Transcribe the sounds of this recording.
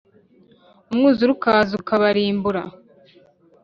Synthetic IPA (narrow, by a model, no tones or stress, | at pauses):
umŋuːzuɾukaːzukaβaɾiːmbuɾa̰